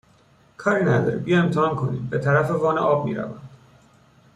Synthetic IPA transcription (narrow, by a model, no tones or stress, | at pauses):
kʰɒːɾinæd̪ɒ̰ɾibijɒemt̪ʰehɒːnkʰo̞nḭːmbe̞t̪ʰæɾæfe̞vɒːnḛʔɒːb̚mḭːɾæ̰væ̰nd̪̥